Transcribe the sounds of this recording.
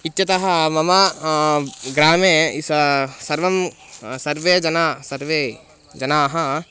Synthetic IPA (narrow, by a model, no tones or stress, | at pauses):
it̪ːʃɐt̪ɐɦɐmɐma | ɡɾaːmẽssɐɾʋɐmsɐɾʋed͡ʒɐnasɐɾʋe | d͡ʒɐnaːɦɐ